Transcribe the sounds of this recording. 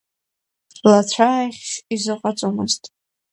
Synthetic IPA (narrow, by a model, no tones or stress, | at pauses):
lat͡ɕʷʰajχʲʃizɨqʷʼat͡sʷʼomɨztʼ